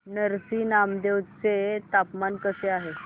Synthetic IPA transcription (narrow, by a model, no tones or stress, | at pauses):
nəɾsinamd̪ewt͡set̪apmankəseaɦe